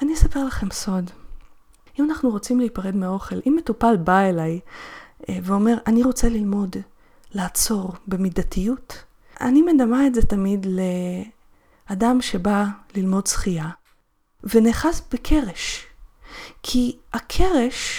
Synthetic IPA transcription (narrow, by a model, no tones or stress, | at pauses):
aniesape̞ʁlaχe̞mso̞d | imanaχnuʁo̞t͡simleipaʁe̞dmeao̞χe̞lʔimːe̞tupalbaelaj | veo̞me̞ʁʔaniʁo̞t͡selilmo̞d | laːt͡so̞ʁbemidatijut | a̰nimedamaetzetamidle | adamʃe̞balilmo̞dsχia | veneːχasb̥ekʰe̞ʁeʃ | kʰiakʰeʁeʃ